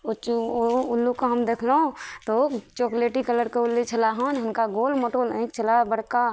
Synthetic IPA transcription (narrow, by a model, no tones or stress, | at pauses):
ot͡ʃʊlːukoɦɐmd̪eːkʰleõt̪ot͡ʃoːkleːʈikələɾkeʊlːit͡ʃʰɐlaɦaːnɦɐmkaɡoːlmoːʈoːlẽkt͡ʃʰɐlabəɽka